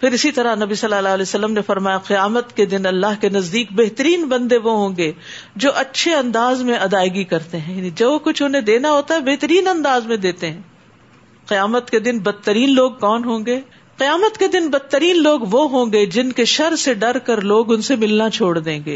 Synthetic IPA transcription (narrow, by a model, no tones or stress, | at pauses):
pʰɪɾɪsit̪ɐɾanɐbisɐlːaːlaːlɛːsɐlːəmnefɐɾmaːjaqɪjaːmət̪ked̪ɪnɐlːaːɦkenɐzd̪iːk̚beɦt̪əɾiːnbɐ̃nd̪eʋoɦõːɡeːd͡ʒoːʔɐtːʃʰeɐ̃nd̪aːzmẽʔɐd̪aːɪɡikɐɾt̪eɦɛ̃jaːnid͡ʒɐokʊt͡ʃʰʊnɦẽd̪eːnaɦoːt̪aɦɛbeɦt̪əɾiːnɐ̃nd̪aːzmẽd̪eːt̪eɦɛ̃ː | qɪjaːmət̪ked̪ɪnbɐd̪̚t̪ːəɾiːnloːɡ̚kɔːnɦõːɡeː | qɪjaːmət̪ked̪ɪnbɐd̪̚t̪ːəɾiːnloːɡʋoɦõːɡed͡ʒɪnkeʃɐɾseɖɐɾkɐɾloːɡʊnsemɪlnat͡ʃʰoːɽd̪ẽːŋɡḛː